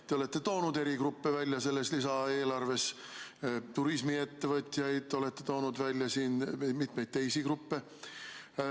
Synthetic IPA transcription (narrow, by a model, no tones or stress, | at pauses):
t̪e̞o̞le̞t̪ːe̞t̪o̞ːnud̪̥e̞ɾiɡrupːevælʲjɑse̞lːeslisɑeːlɑrve̞s | t̪uɾismie̞t̪ːe̞vɤt̪ʲˑjɑjd̪̥o̞let̪ːe̞t̪o̞ːnud̪vælʲjɑsiːnmit̪me̞jd̪̚t̪e̞jsikrupːe̞